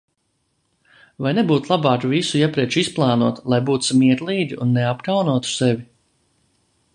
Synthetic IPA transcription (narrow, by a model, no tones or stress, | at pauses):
vajnɛbuːt̪lˠabɑːkvisujɛpɾiɛt͡ʃisplˠɑːnuɔt̪lˠajbuːt̪u̥smiɛɾlˠiːd̪ʲiunːeapkawnuɔt̪u̥sɛvi